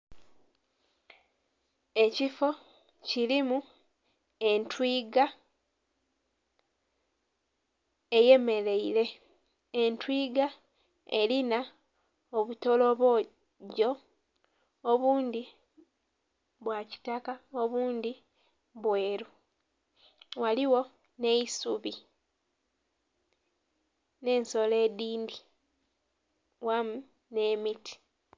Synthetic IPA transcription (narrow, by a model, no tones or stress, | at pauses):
e̞cifo̞ | cilimu | e̞ntwiːɡa | e̞je̞me̞ɾe̞iɾe̞ | entwiːɡa | e̞lina | oβuto̞lo̞βo̞ | ɟo̞ | βuːnd̪i | βwaci̥takaoβuːnd̪i | βwe̞ːɾu | waliwo̞ | ne̞isuβi | ne̞ːnso̞le̞ːdiːndi | wamu | ne̞ːmiti̥